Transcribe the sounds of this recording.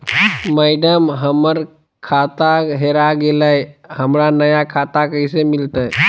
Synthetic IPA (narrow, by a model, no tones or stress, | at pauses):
məɪɖəmɦəməɾ | kʰat̪aɦeɾaɡeləhəmɾanəjakʰat̪akəɪsemɪlt̪əj